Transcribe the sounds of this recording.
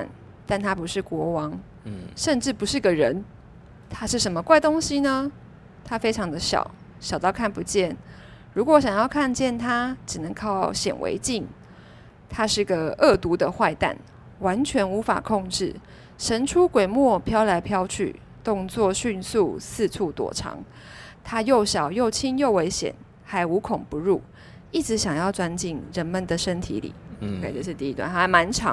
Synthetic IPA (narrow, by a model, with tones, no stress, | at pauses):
n | t̪a˥˩nt̪ʰa˥pu˧˥ʂɻ̩˥˩kwɔ˧˥wɑ˧˦˥ŋ | ʂə˥˧nʈ͡ʂɻ̩˥˩pu˧˥ʂɻ̩˥˩˧ɡə˨˩ɻə˧˦n | t̪ʰa˥ʂɻ̩˥˩ʂə˧˥nmə˧kwa˥˩ɪt̪o˥ŋɕi˧˥nə˧ | t̪ʰa˥fe˥ɪʈ͡ʂʰɑ˧˥ŋd̪ə˧ɕjɑ̰˨˩ʊ | ɕjɑ˨˩ʊt̪ɑ˥˧ʊkʰa˥˩npu˧˥t͡ɕjɛ˥˩n | ɻu˧˥kwɔ˧˥ɕjɑ˨˩ŋjɑ˥˧ʊkʰa˥˧nt͡ɕjɛ˥˩nt̪ʰa˥ʈ͡ʂɻ̩˨˩nə˧˦ŋkʰɑ˥˩ʊɕjɛ̰˨˩nwʔḛ˧˥ɪt͡ɕi˥˩ŋ | t̪ʰa˥ʂɻ̩˥˩˥ɡə˨ɤ˥˩t̪u˧˥d̪ə˧xwa˥˧ɪt̪a̰˥˩n | wa˧˦nt͡ɕʰɥɛ˧˦˥nu˧˥fa̰˨˩kʰɔ˥˧ŋʈ͡ʂɻ̩˥˩ | ʂə˧˥nʈ͡ʂʰu˥kwe˨˩ɪmwɔ˥˩pʰjɑ˥ʊla˧˥ɪpʰjɑ˥ʊt͡ɕʰy̰˥˩ | t̪ʊ˥˧ŋt͡swɔ˥˨ɕy˥˧nsu˥˧sɹ̩˥˧t͡sʰu˥˩t̪wɔ̰˨˩ʈ͡ʂʰɑ̰˧˥ŋ | t̪ʰa˥jo˥˩ʊɕjɑ˨˩ʊjo˥˩ʊt͡ɕʰi˥njo˥˩ʊwe˧˥ɪɕjɛ̰˨˩n | xa˧˥ɪu˧˥kʰʊ˨˩ŋpu˧˦ɻu˥˩ | i˥˩ʈ͡ʂɻ̩˧˥ɕjɑ˨˩ŋjɑ˥˩ʊt͡swa˥nt͡ɕi˥˨˩nɻə˧˦nmə˨nd̪ə˨ʂə˥nt̪ʰḭ˧˥lḭ˨˩we˥˨˩ʈ͡ʂo˥˧ʂ̩˥˧t̪i˥˧i˥t̪wa̰˥˨nt̪ʰa˥˩ma˧˦nʈ͡ʂʰɑ̰˧˦ŋ